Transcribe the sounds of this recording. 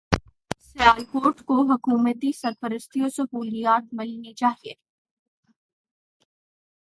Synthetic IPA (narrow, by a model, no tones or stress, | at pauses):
sɪaːjkoːɾʈkoɦɐkuːmət̪isɐɾpəɾəst̪ʰiosɐɦuːlijaːt̪mɪlnit͡ʃaːɦieː